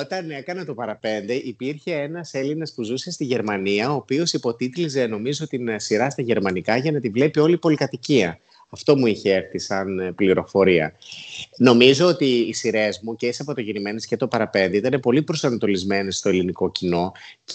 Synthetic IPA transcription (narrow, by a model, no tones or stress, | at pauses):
ot̪ɐne̞kɐnɐt̪o̞pɐɾɐpe̞nd̪e̞ʔipiɾçe̞enɐse̞linɐspuzusest̪iʝe̞ɾmɐniɐo̞ːpio̞sipo̞t̪it̪lize̞no̞mizo̞t̪insiɾɐst̪ɐʝe̞ɾmɐnikɐʝɐnɐt̪ivle̞pio̞lipo̞likɐt̪iciɐ | ɐft̪o̞muiçe̞eɾθisɐnpliɾo̞fo̞ɾiɐ̰ | no̞mizo̞ot̪iːsiɾe̞zmuceisɐpot̪oʝinime̞ne̞sce̞t̪o̞pɐɾɐpe̞nd̪eit̪ɐne̞po̞lipɾo̞sɐnɐt̪o̞lizme̞ne̞st̪o̞e̞liniko̞cino̞ | c